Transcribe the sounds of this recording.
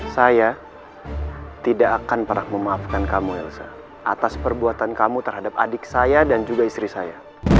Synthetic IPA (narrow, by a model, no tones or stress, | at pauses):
saja | t̪idaʔːkanpəɾak̚məmaːfkankamuɛ̰lsa̰ | ʔa̰t̪aspərbuat̪ankamut̪ərɦadap̚a̰dɪk̚sajadand͡ʒuɡaist̪ɾisaja